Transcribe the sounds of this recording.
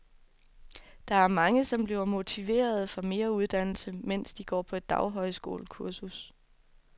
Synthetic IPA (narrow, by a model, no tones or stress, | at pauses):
d̥ɑ̈æɐmɑ̈ŋəsɒ̽mb̥liʊɐmo̝t͡sʰiʋe̝̰ːɐð̞̩ˠfɒ̽me̝ːɐuð̞ˠd̥æn̰l̩səmen̰sd̥iɡ̥ɒ̰ːpʰɒ̽e̝d̥ːɑ̈ʊɦɒ̽ɪ̰sɡ̥o̝̰ːlkʰuɐsus